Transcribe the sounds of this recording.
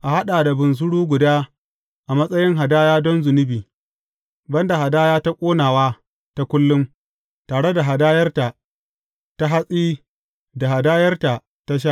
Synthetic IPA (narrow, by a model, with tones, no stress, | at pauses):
ʔa˨ha˦ɗaː˨da˨bʊ˨ns̬ʊ˦ɽuː˦ɡʷʊ˨daː˦ | ʔa˨mɐ˦sʼɐ˦jɪ˦ŋɦa˨daː˦jaː˦dɔ˦nzʊ˨nɪ˦biː˨ | bɐ˦nda˨ha˨daː˦jaː˦ta˦kʷʼoː˦naː˨waː˦ | ta˦kʷʊ˦lːʊ˦m | taː˨ɽe˦da˨ɦa˨daː˦jɐ˦rta˨ | ta˦ɦa˦sʼiː˦ | da˨ɦa˨daː˦jɐ˦rta˨ | ta˦ʃ̬a˦ʔ